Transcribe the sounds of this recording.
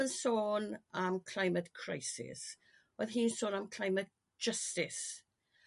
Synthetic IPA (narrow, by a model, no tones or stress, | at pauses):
ənsoːnamkʰl̥ajmətkʰɹ̥ajsɪ̰s | oðɦiːnsoːnamkʰl̥ajmət̚d͡ʒ̥əstɪs